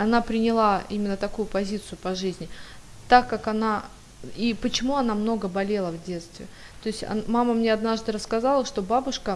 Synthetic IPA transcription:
ɐnapɾʲɪnʲɪlˠaimʲɪnːət̪ɐkujʊpɐzʲit̪sɨjʊpɐʐɨzʲnʲɪ | t̪akːakɐna | ipət͡ɕɪmuɐnamno̞ɡəbɐlʲelˠəvdʲe̞t̪st̪vʲɪ̰t̪o̞ɪsʲtʲɐ̰maməmnʲeɐd̪naʐd̪ɨɾəskɐzalˠəʂt̪o̞babʊʂkə

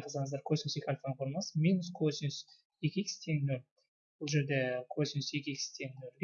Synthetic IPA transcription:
qʰəzɑɴəzd̪ɑɾkʰʲøsɪnɪsjekʲalʲfanqʰoɾnɑsəmʲinus̬kʰɵsɪnɪs | jekʲekʲst̪ʰeŋnɵlʲ | b̥ʊlˠʒe̞ɾd̪ekʲʰɵsɪnɪsjekʲeekʲst̪ʰeŋnolʲbʲ

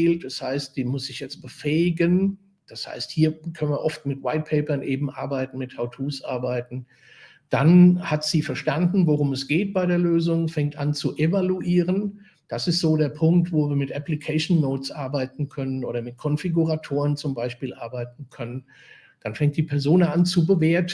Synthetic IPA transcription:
eːlt̚d̥ashaɪstd̥iːmʊsz̥ɪçjɛt͡st̚b̥əfɛːɪɡən | d̥asha̰ɪsthiːɐkʰœnviːɐʔɔftmɪtwaɪt̚pʰɛɪpɐnʔeːbm̩ʔa̰ɐbaɪtn̩mɪthaʊtʰuːsʔa̰ɐbaɪtn̩ | d̥anhatz̥iːfɛɐʃtandn̩voʁʊmɛsɡ̥eːt̚b̥aɪɾeːɐløːzʊŋfɛŋtʔant͡suʔevaluʔiːʁən | d̥asɪstz̥oːɾeːɐpʰʊŋk̚tv̥oːviːɐmɪtʔaplikʰɛʃnnoʊt͡sʔaɐbaɪtn̩kʰœnənʔo̰ːɾɐmɪt̚kʰɔnfiɡuʁatʰoːʁənt͡sʊmbaɪʃpiːlʔa̰ɐbaɪt̚n̩kʰœnən | d̥anfɛŋkt̚d̥iːpʰɛɐzoːnant͡subəveːɐt

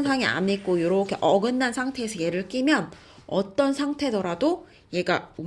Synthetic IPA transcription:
nsʰaŋia̰mik̚k͈ojoɾʌkʰe̞ʔʌɡɯnːansʰaŋtʰe̞esʰʌje̞ɾɯɭk͈imjʌn | ʌt͈ʌnsʰaŋtʰe̞dʌɾado | je̞ɡao

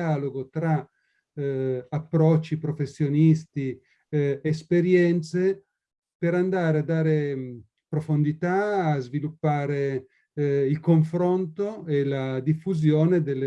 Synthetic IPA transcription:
aloɡot̪ɾa | apːɾɔt͡ʃːipɾofesːjonist̪i | espeɾjɛnt̪se | peɾand̪aːɾead̪ːaːɾe | pɾofond̪it̪aːzvilupːaːɾe | ilkoɱfɾont̪oelad̪ifːuzjoːned̪elːe

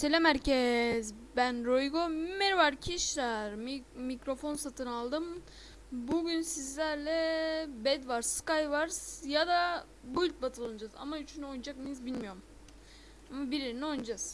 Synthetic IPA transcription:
selʲemæɾcɛzbænɾojɡommɛɾvaɾcʰiʃlaɾmicɾo̞fo̞nsat̪ʰɯnalˠd̪ɯm | buɟynsizlʲæɾlʲɛbɛd̪vaɾskajvaɾsjad̪a | buylʲt̪̚bat̪ʰɯlˠanad͡ʒaza̰mayt͡ʃʰynyojnd͡ʒakmiizbilʲmijo̞ɾm | amabiɾiɾiniojnd͡ʒaz̥

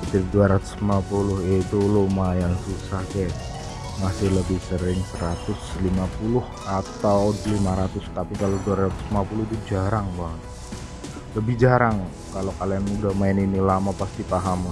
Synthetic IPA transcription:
ət̪iɾ̚duaɾat̪ʊ̥smmapulʊhit̪ulomajaŋsusahkaa | masɪhləbɪhsəɾɪŋsəɾat̪ʊslimapulʊhʔat̪awlimaɾat̪ʊst̪apikaloduaɾat̪ʊ̥smapulʊht̪ud͡ʒaɾaŋbaŋət̪ | ləbɪhd͡ʒaɾaŋ | kalokalianmudamaɪninilamapast̪ipaɦam

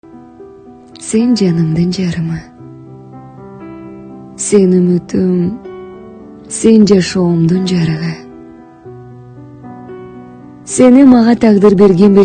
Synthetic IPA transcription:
se̞nd͡ʒɑnɯmd̪ɯnd͡ʒɑɾɯmɑ | se̞nymyt̪ʰym | se̞nd͡ʒɑʃomd̪und͡ʒɑɾɯʁɑ | se̞nimɑʁɑt̪ʰɑqd̪ɯɾbe̞ɾɡʲe̞nbe

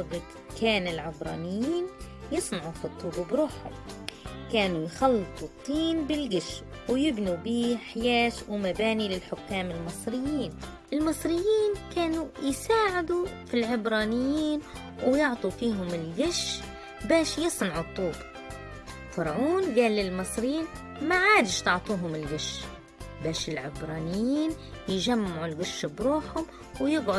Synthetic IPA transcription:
t̪ɑbɨt̪ˤ | kaːnɪlʕɪbɾˤɑ̰ːnɪjːiːn | jɨsˤnɑʕufit̪ˤːuːbbɾuːħʊ̰mkaːnujxɑlːɨt̪ˤut̪ˤːiːnbɪlɡɪʃ | wjɪbnubiːħjaːʃwmabaːnilɪlħʊkːaːmɪlmɨsˤɾɪjːiːn | ʔɪlmɨsˤɾɪjːiːnkaːnujsaːʕɪd̪ufilʕɪbɾɑːnɪjːiːn | wjɪʕt̪ˤufiːɦʊmɪlɡɪʃː | baːʃjɨsˤnɑʕʊt̪ˤːuːb | fɑɾˤʕuːnɡaːlːɪlmɨsˤɾɪjiːn | maʕaːd̪ɪʃt̪ʊʕt̪ˤuːɦʊmɪlɡɪʃ | baːʃɪlʕɪbɾˤɑːnɪjːiːn | jʒamːʕʊlɡɪʃːbɾuːħhʊm | wjɪɡʕʊ

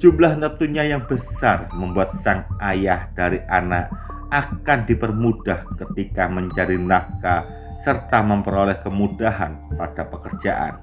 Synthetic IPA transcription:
d͡ʒʒ̥umlahnət̪uɲajaŋbəsarməmbuat̪̚saŋʔajahd̥aɾiʔanaʔ | akandipərmud̥ahkət̪ikaməɲt͡ʃaɾinaka | sərt̪aməmpəɾolɛhkəmudaɦa̰npad̥apəkərd͡ʒa̰ʔa̰n

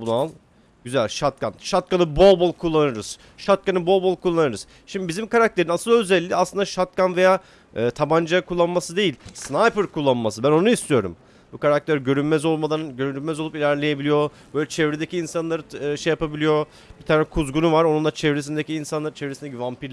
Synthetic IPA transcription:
bunalˠ | ɟyzælʲʃat̪̚kʰanʃat̪̚kanɯbolˠbolˠkʰulˠːanɯɾɯz̥ | ʃat̪̚kanɯbo̞lˠbolˠkʰulˠːanɯɾɯz̥ | ʃimd̪ibizimkaɾak̚t̪ʰe̞ɾinasɯlˠøzɛlʲːiaslˠɯnd̪aʃat̪̚kanve̞jaː | ɯːt̪ʰaband͡ʒakʰulˠːanmasɯd̪e̞jilʲsnajpɯɾkulˠːanmasɯbæno̞nuist̪ʰijo̞ɾṵm | bukaɾak̚t̪ʰeɾɟø̞ɾynmɛzo̞lˠmad̪anɟøɾynymɛzo̞lˠupilʲæɾlʲeje̞bilʲijo̞b̥ø̞jlʲɛt͡ʃʰɛvɾed̪ecʰiːnsanlˠaɾɯʃejapabilʲijo̞ | bit̪ʰaːnɛkʰuzɡunuvaɾonund̪at͡ʃʰɛvɾes̬ind̪eciːnsanlˠaɾt͡ʃʰeɛvɾesind̪ecʰivampiɾʲ

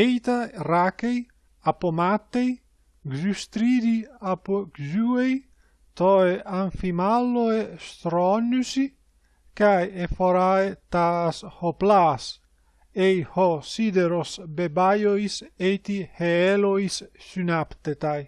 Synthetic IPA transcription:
ejt̪arakej | apomat̪ːej | ɡzyst̪ɾid̪iapoɡzuej | t̪oeʔaɱfimalːoest̪ɾɔnysi | kajefoɾaet̪ashoplas | ejhosid̪eɾosbebajoiset̪iheeloissynapt̪et̪aj

